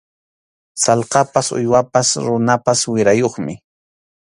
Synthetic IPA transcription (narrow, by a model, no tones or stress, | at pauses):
sɑlqɑpasʊ̰jwapasɾʊnapaswɪɾajoχmɪ